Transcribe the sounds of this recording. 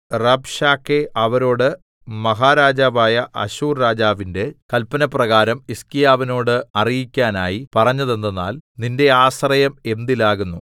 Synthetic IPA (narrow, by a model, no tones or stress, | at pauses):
rɐbɕaːkːeʔɐʋɐɾo̞ːɽɨ | mɐɦaːɾaːd͡ʑaːʋaːjɐʔɐ̰ɕuːrːaːd͡ʑaːʋinde̞kɐlpɐnɐprɐɣaːɾɐmiskijaːʋino̞ːɽɨɐrijikʲːaːnaːjipɐrɐɲːɐðe̞nd̪enːa̰ːlninde̞aːsrɐjɐme̞nd̪ilaːɣunːu